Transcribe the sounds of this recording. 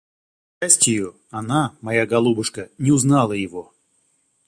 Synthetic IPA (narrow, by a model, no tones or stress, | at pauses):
asʲtʲɪjʊ | anamɐjaɡɐlˠubɨʂkənʲɪʊznalˠəjɪvo